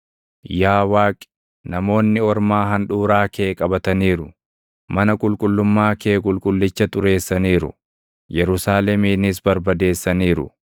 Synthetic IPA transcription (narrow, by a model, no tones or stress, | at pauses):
jaːwaːkʼɪ̥ | nɐmo̞ːnːɪɔɾmaːɦɐnᶑuːɾaːkeːkʼɐbɐt̪ɐniːɾʊ | mɐnɐkʼʊlkʼʊlːʊmːaːke̞ːkʼʊlkʼʊlːɪt͡ʃːɐt̪ʼʊɾe̞ːsːɐniːɾʊ̰ | jɛɾʊsaːlɛmiːnɪs̬bɐɾbɐd̪e̞ːsːɐniːɾʊ̰